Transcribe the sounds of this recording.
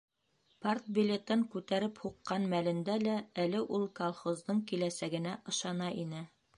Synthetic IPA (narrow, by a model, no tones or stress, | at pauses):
part̪̚bʲilʲet̪ɤŋkʉt̪æɾɘphuqːɑnmælɘ̆nd̪ælæælɘʔulˠkolˠχozd̪ɤɴkilæsæɡɘ̆næʔɤ̆ʃɑnɑʔinɘ